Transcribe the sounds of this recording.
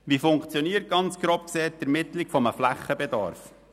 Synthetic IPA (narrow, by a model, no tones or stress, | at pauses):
ʋifʊŋkt͡sjɔniːəɾt̚ɡ̥ɑnt͡sɡ̥ɾoːpkseːtɛɾmɪt̪lɪkfɔməflæχəbɛd̪ɑ̰ɾf